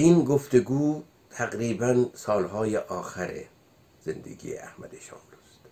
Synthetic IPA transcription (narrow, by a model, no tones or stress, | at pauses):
iːnɡoft̪eɡuː | t̪ʰæɣɾiːbænsɒːlhɒːjeʔɒːxæɾḛ | z̥end̪ḛɡḭːḛʔæ̰hmæ̰d̪eʃɒ̰ːmlust̪